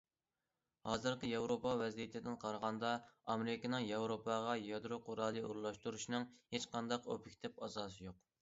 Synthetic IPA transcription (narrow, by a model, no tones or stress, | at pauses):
hɑːzɨɾqəjɑwɾopɑvɛzijit̪ʰɪd̪ɪnqʰɑɾʁɑnd̪ɑɑmeɾɪkʲinɨŋjɑwɾopʰɑʁɑjɑd̪ɾoqʰoɾɑːlˠɨṵɾulˠɑʃt̪uɾuʃnɨŋhet͡ʃqʰɑnd̪ɑqo̰pʰɪkʲt̪ɛpɑzɑːsɨjoq